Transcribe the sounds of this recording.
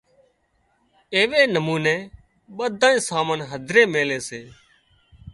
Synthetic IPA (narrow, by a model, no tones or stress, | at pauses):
eːʋeːnəmuːnẽː | ɓəd̪ʱãːĩːsaːmənɦəd̪ʱɾeːmeːleːseː